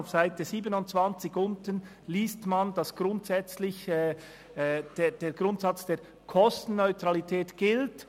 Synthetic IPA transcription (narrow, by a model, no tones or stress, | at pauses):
fsaɪtəziːbənʊntt͡svɑnt͡sɪçʊntən | liːstmand̥ɑsɡ̥ɾʊntsɛt͡slɪçɛː | d̥ed̥eːɡ̥ɾʊntsɑt͡sd̥eːɾ | kʰɔstn̩ːœʏtʁɑlitʰɛːtɡ̥ɪlt